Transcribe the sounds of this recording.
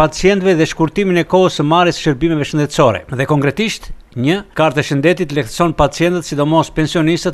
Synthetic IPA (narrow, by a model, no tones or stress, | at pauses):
pat͡siɛnt̪vɛðɛʃkuɾt̪iminɛkɔɦəsəmaɾɛsʃəɾbimɛvɛʃənd̪ɛt̪sɔɾɛ̰ðɛkɔŋkɾɛt̪iʃt̪ɲəkaɾt̪ɛʃənd̪ɛt̪it̪lɛkθəsɔnpat͡sijɛnt̪ət̪sid̪ɔmɔspɛnsiɔnist̪ət̪